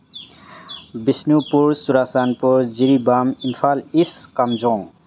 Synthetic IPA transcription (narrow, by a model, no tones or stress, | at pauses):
bisnupuɾsuɾasanpuɾd͡ziɾibaminpʰaliskamd͡zɔ̃ŋ